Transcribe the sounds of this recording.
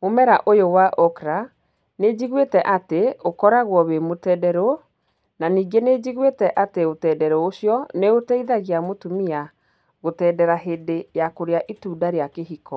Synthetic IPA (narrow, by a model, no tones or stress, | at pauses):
momɛɾaʔojowaʔɔkɾa | ned͡ʑiɣwetɛʔateokɔɾaɣwɔβemotɛdɛɾo | naniːɡened͡ʑiɣwetɛʔateotɛːdɛɾɔoɕjɔneotɛiðaɣiamotumia | ɣotɛːdɛɾaɦedejakoɾeaʔituːdaɾeakeɦikɔ